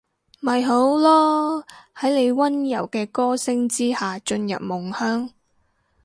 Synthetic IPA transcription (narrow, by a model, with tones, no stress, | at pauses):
mɐ˨jɦo˨˥wlɔː˥ | hɐ˨˥jle˨˧jwɐ˥njɐ̰˨˩wkɛː˧kɔː˥sɪ˥ŋt͡siː˥haː˨t͡ʃɵ˧njɐ̰˨p̚mʊ˨˩ŋhœː˥ŋ